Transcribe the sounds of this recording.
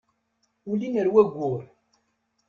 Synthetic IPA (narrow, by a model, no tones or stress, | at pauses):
ulinəɾwæɡʷːʊɾ